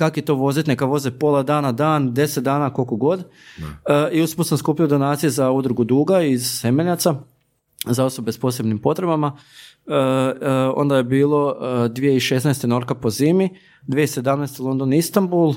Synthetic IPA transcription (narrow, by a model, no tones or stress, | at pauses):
kakojet̪o̞ʋo̞zit̪nekaʋo̞zepo̞lˠad̪aːnad̪aːnd̪e̞set̪d̪aːnako̞lkoɡo̞d̪ | iusposamskuːpijod̪o̞naːt̪sijezaud̪ɾuɡud̪uːɡaizsemeʎat̪sa | zao̞so̞be̞spo̞se̞bnimpo̞t̪ɾe̞bama | o̞̰nd̪ajebiːlˠo̞d̪ʋije̞iʃesnajst̪eno̞ɾkapo̞ziːmi | d̪ʋijeise̞d̪amnajst̪elo̞nd̪onist̪ambulˠ